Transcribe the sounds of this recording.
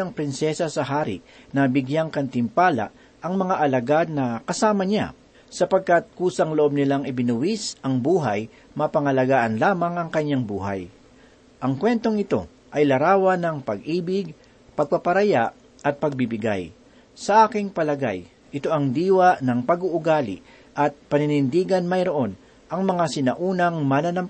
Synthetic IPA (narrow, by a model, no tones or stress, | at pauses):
ɐŋpɾɪnsɛsɐsɐɦaːɾɪ̰ | nɐbɪɡjaŋkɐnt̪ɪmpaːla̰ʔ | ʔɐŋmɐŋaʔɐlɐɡad̪̚nɐkɐsaːmɐɲa̰ | sɐpɐɡ̚kat̪̚kuːsɐŋloʔo̞b̚nɪlaŋɪbɪnʊwisʔɐŋbuːɦɐj | mɐpɐŋɐlɐɡaːʔɐnlaːmɐŋɐŋkɐɲaŋbṵːɦa̰j | ʔɐŋkwɛnt̪o̞ŋɪt̪o̞ | ʔɐjlɐɾaːwɐnɐŋpɐɡʔiːbɪɡ̚ | pɐɡ̚pɐpɐɾɐjaʔ | ʔɐt̪̚pɐɡ̚bɪbɪɡa̰j | sɐʔaːkɪŋpɐlɐɡa̰j | ʔɪt̪o̞ʔɐŋd̪iːwɐʔnɐŋpɐɡuʔʊɡaːlɪ̰ | ʔɐt̪̚pɐnɪnɪnd̪iːɡɐnmɐjɾo̞ʔo̞n | ʔɐŋmɐŋasɪnɐʔuːnɐŋmɐnɐnɐmp